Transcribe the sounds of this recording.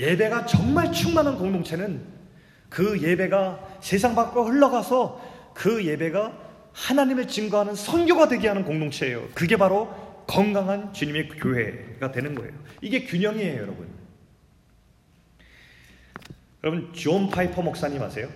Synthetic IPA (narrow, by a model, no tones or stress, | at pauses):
je̞be̞ɡat͡ɕʌŋmaɭt͡ɕʰuŋmanɦankoŋdoŋt͡ɕʰe̞nɯn | kɯje̞be̞ɡase̞sʰaŋbak͈ɾohɯɭːʌɡasʰʌ | kɯje̞be̞ɡa | hanaɲimɯɭt͡ɕimɡoɦanɯnsʰʌnɡjoɡadwe̞ɡiɦanɯnkoŋdoŋt͡ɕʰe̞ːjo̰kɯɡe̞baɾokʌŋɡaŋɦant͡ɕuɲime̞kjoɦe̞̰ɡadwe̞nɯnɡʌ̰ḛjoiɡe̞kjuɲʌŋieojʌɾʌbṵn | jʌɾʌbunt͡ɕuʌmpʰaipʰʌmʌk̚s͈aɲima̰sʰe̞jo